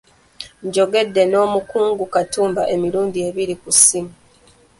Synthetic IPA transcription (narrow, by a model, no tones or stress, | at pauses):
ɲɟo̞ɡe̞dːe̞no̞ːmukuːŋɡukatuːmbaʔe̞miɾuːndie̞βiɾikusimu